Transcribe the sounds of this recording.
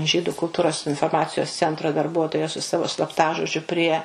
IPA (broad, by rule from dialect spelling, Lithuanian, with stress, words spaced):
ˈʒʲiːdʊ kʊlˠˈtuːroːs ɪnfoːrˈmɑːt͡sʲɪjoːs ˈt͡sʲɛntroː dɐrˈbuɔtoːjɛ sʊ ˈsɑːʋoː slˠɐpˈtɑːʒoːd͡ʒʲʊ pʲrʲiɛ